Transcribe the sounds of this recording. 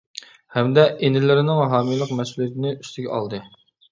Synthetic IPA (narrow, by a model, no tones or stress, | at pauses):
hɛmd̪ɛʔenɪlɪɾɪnɪŋɦɑːmijlˠəqmɛsulijet̪ʰɪnɪʔyst̪ɪɡʲɛɑ̰lˠd̪ɨ